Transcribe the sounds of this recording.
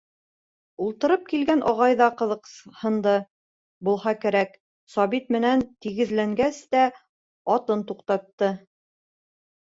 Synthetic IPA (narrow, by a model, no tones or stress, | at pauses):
ulˠt̪ɤ̆ɾɤp̚kilɡænʔɒʁɑjðɑqɤ̆ðɤ̆qhɤ̆nd̪ɤ | bulˠɦɑkæɾæk | sɒβit̪̚mɘ̆nænt̪iɡɘ̆zlæŋɡæst̪æ | ɒt̪ɤnt̪uqt̪ɑt̪ːɤ